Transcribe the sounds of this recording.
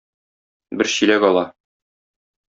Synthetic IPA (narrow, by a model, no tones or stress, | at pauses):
bɘɾɕĭlæɡɒlˠɑ